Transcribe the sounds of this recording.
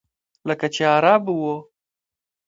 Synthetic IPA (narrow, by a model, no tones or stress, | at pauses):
ləkat͡ʃeaɾɑbuwo